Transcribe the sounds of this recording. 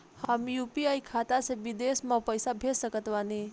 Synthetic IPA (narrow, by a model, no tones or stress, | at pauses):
həmjupiajkʰat̪aseʋid̪esmapəjsabʱesəkət̪ʋani